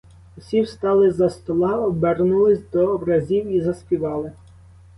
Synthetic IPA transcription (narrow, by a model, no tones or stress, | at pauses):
usʲiwst̪ɑlˠɪzɐst̪ɔlˠɑɔbɛrnulˠɪsʲd̪ɔːbɾɐzʲiwizɐsʲpʲiʋɑlˠɪ